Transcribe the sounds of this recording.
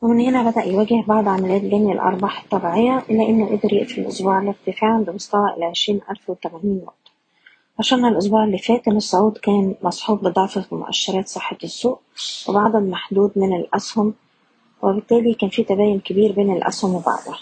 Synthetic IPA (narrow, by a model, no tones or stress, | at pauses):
wemenhenæbæd̪æʔjwæːɡɪhbɑʕd̪ˤʕamælijæːt̪ɡ̪æmjælʔɑ̰ɾˤbɑħɑ̥t̪ˤːɑbiʕejːæʔɪlːæʔenːoʔḛd̪ɑɾˤjḛʔflʔo̰sˤbuːʕlɪk̚t̪ɪfæːʕanbemost̪æwæʔelʕeʃɾiːnʔælfwet̪æmæniːnwʊ̰ʔt̪ | ʕaʃæːnhælʔos̬ˤbuːʕelːiːfæːt̪ʔenːesˤːɑʕuːd̪kæːnmɑsˤħuːbːed̪ˤɑʕfɑfimo̰ʔæ̰ʃːɑɾˤɑːt̪sˤɑħːet̪sːuːʔwebaʕd̪ˤæd̪maħd̪uːd̪menelʔæshʊm | webɪt̪ːæːlikæːnfiːt̪æbæːjonkebiːɾbeːnelʔæ̰shʊmwebɑ̰ʕd̪ˤʊ